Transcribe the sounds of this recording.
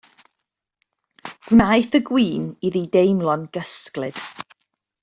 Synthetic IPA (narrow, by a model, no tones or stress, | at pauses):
ɡ̥wnajθəɡwiːniðiːdejmlˠɔnɡ̥əsklɨd̥